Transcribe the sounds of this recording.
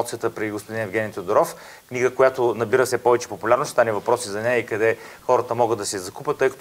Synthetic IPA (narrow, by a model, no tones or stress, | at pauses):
t̪sijət̪əpɾiɡospod̪inɛvɡʲɛnʲit̪ʲod̪oɾɔf | kniɡəkojat̪onɐbiɾəfsɛpɔvɛt͡ʃɛ̥popʊlʲaɾnosʃst̪anɛvɐpɾɔsizɐnɛjəikɐd̪ɛxɔɾət̪əmɔɡəd̪ɐsɛzɐkupʲət̪ːɤjkɐt̪